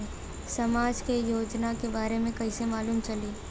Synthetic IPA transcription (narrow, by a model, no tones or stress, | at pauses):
sɐmaːd͡ʒkejoːd͡ʒnakebaːɾemẽkɐisemaːluːmt͡ʃɐliː